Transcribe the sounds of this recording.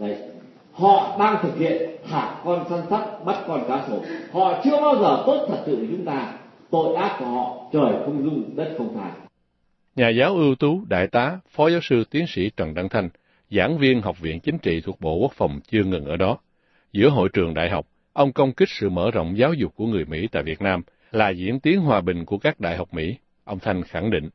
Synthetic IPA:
ə˧˨ | hɔ̰˧˨ɗaː˧ŋt̪ʰɨ˨˩k̚hḭ˧˨ənhaː˨˩kɔ˧nsaː˧˦nsa˦˥t̚ɓa˦˥t̚kɔ˧nkaː˨˦so˨˦hɔ̰˧˨t͡ɕɨ˧əɓaː˧wzəː˨˩t̪o˦˥t̚t̪ʰə˨˩t̚sɨ̰˧˨ə˨˩t͡ɕʊ˨˦ŋ͡mt̪aː˧ | t̪o̰˧˨jʔaː˦˥t̚ku˧˩əhɔ̰˧˨t͡ɕəː˨˩jxʊ˧ŋ͡mzʊ˧ŋ͡mzə˦˥t̚xə˧wŋ͡mt̪ʰaː˧˩ | ɲaː˨˩zaː˨˦wʔɨ˧əwt̪u˨˦ɗa̰ː˧˨jt̪aː˨˦fɔ˨˦zaː˨˦wsɨ˧t̪i˨˦ənsḭ˧˥t͡ɕwa˨˩nɗa˧ŋt̪ʰa˧jŋ̟ | za̰ː˧˥nvi˧ənɦa˨˩wk͡p̚vḭ˧˨ənt͡ɕï˨˦ŋ̟t͡ɕḭ˧˨t̪ʰu˨˩ək̚ɓo̰˧˨ku˦˥k̚fə˨˩wŋ͡mt͡ɕɨ˧əŋɨ˨˩nʔəː˧˩ɗɔ˨˦ | zɨ̰˧˥əɦo̰˧˨jt͡ɕɨ˨˩əŋɗa̰ː˧˨jɦa˨˩wk͡p̚ | ʔə˧wŋ͡mkə˧wŋ͡mkï˦˥k̟̚sɨ̰˧˨mə̰ː˧˩zə̰˧˨wŋ͡mzaː˨˦wzʊ˨˩k͡p̚kːu˧˩əŋɨ˨˩əjmḭ˧˥t̪a̰ː˧˨jvi˨˩t̚naː˧m | laː˨˩zḭ˧˥ənt̪i˨˦ənɦwaː˨˩ɓï˨˩ŋ̟ku˧˩əkaː˦˥k̚ɗa̰ː˧˨jɦa˨˩wk͡p̚mḭ˧˥ | ʔə˧wŋ͡mt̪ʰa˧jŋ̟xa˧˩ŋɗḭ̈˧˨ŋ̟

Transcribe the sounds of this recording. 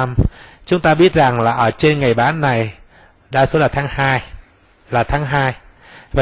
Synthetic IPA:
m | t͡ɕʊ˨˦ŋ͡mt̪aː˧ɓi˦˥ət̚za˨˩ŋlaː˨˩ʔəː˧˩t͡ɕe˧nŋa˨˩jɓaː˨˦nːa˨˩j | ɗaː˧so˨˦tlaː˨˩t̪ʰaː˨˦ŋhaː˧j | laː˨˩t̪ʰaː˨˦ŋɦaː˧j | va˨

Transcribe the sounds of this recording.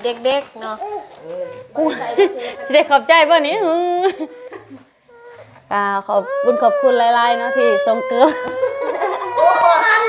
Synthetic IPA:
de˧˩k̚de˧˥˩k̚nɔ˧˥˩ʔ | siː˧˩da˧˩jkʰɔː˨˩p̚t͡ɕa˧˩jbɔː˧˩niː˧˥˨hɯː˧˥ | ka˧˩kʰɔː˨˧˩p̚ku˧˥˨nkʰɔː˧˩p̚kʰu˧˨nlaː˧˩jlaː˧˨jnɔ˧˥t̪ʰiː˧˩so˧˩ŋkɤː˧˦m

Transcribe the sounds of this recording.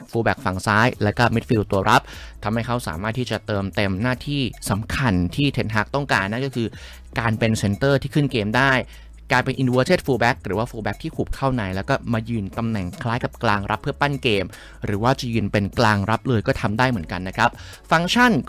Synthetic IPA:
fuː˧bɛː˨˩k̚fa˨˩ŋsaː˦˥jlɛː˦˥wkɔː˥˩mi˦˥t̪̚fi˧wt̪u˧ɐɾa˦˥p̚t̪ʰa˧mha˥˩jkʰa˦˥wsa̰ː˩˦maː˥˩t̪̚ʰːiː˥˩t͡ɕa˨˩t̪ɤː˧mt̪e˧mnaː˥˩t̪ʰiː˥˩sa˩˦mkʰa˧nt̪ʰiː˥˩t̪ʰe˧˥nɦa˦˥k̚t̪ɔ˥˩ŋkaː˧nːa˥nkɔː˥˩kʰɯː˧ | kaː˧npe˧nse˧nt̪ɤː˥˩t̪ʰiː˥˩kʰɯ˥˩nkeː˧mdaː˥˩j | klaː˧jpe˧nʔi˧du˧a˧tʰeː˥˩t̪̚fuː˧bɛː˦˥k̚ɾɯː˩˦waː˥˩fuː˧bɛ˦˥k̚t̪ʰiː˥˩kʰuː˨˩p̚kʰaː˥˩wna˨˩jlɛː˦˥wkɔː˥˩maː˧jɯː˧nt̪a˧mnɛ˨˩ŋkʰlaː˦˥jka˨˩p̚klaː˧ŋɾʔa˦˥pʰːɯ˥˩ɐpa˥˩nkeː˧m | ɾɯː˩˦waː˥˩t͡ɕa˨˩jɯː˧npe˧nklaː˧ŋɾa˦˥p̚lɤː˧jkɔː˥˩t̪ʰa˧mdaː˥˩jmɯ˩˦ənka˧nːa˦˥kʰɾa˦˥p̚ | fa˧ŋt͡ɕʰa˥˩n

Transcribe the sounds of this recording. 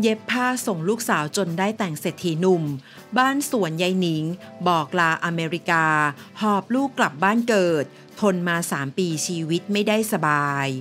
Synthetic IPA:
je˦˥pʰːaː˥˩so˨˩ŋluː˥˩k̚saː˩˦wt͡ɕo˧ndaː˥˩jt̪ɛ˨˩ŋse˨˩t̪ʰːiː˨˦nu˧˩m | baː˥˩nsu˨˩˦ənja˧jni˩˦ŋbɔː˨˩k̚laː˧ʔa˧meː˧ɾi˦˥kaː˧hɔː˨˩p̚luː˥˩kːla˨˩p̚baː˥˩nkɤː˨˩t̪̚ʰːo˧nmaː˧saː˩˦mpiː˧t͡ɕʰiː˧wi˦˥t̪̚ma˥˩jdaː˥˩jsa˧baː˧j

